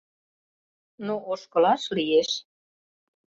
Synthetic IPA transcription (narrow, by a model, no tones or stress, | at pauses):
noʔoʃkɤ̆lɑʃlijeʃ